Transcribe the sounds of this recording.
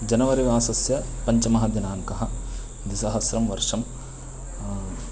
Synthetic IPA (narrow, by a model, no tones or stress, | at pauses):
d͡ʒɐnɐʋɐɾiʋaːsɐsjɐpɐɲt͡ʃɐmɐɦɐd̪jɐnaːŋkɐɦɐ̆ | d̪isɐɦɐsɾɐmʋɐɾʂɐm